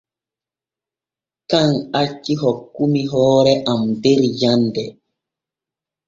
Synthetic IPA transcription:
kaŋat͡ʃːiɦɔkːumiɦɔːɾɛʔamdeɾjandɛ

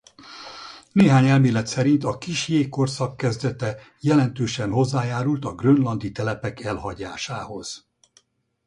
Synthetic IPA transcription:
neːɦaːɲɛlmeːlɛt̪sɛɾint̪ɒkiʃjeːkːorsɒkːɛzd̪ɛt̪ɛ | jɛlɛn̪t̪øːʃɛnɦo̞zːaːjaːɾult̪ɒɡrønlɒnd̪it̪ɛlɛpɛkɛlhɒɟaːʃaːho̞z̥

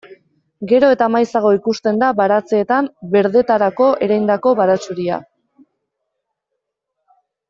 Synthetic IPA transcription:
ɡe̞ɾo̞e̞t̪amajsaɣ̞o̞ikust̪e̞nd̪aβaɾat͡se̞ːt̪ambe̞ɾðe̞t̪aɾako̞ʔe̞ɾajnd̪ako̞βaɾat͡suɾia̰

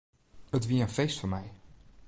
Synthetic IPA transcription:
ətʋiːɹənfejstfʊnmɛj

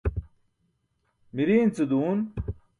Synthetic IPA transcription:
miɾiːnt͡sed̪uːn

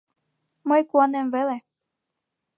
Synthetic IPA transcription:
mɤjkuɑnemvele

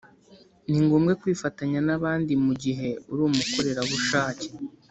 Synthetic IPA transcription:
niŋɡuːmɡe̞kwiːfataɲanaβaːndimuɟiɦe̞uɾuːmuko̞ɾe̞ɾaβuʃaːce

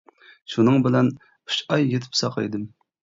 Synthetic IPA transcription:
ʃunɨŋbɪlɛn | uʃɑjːet̪ʰɪ̥psɑqʰɑ̰jd̪ɨm

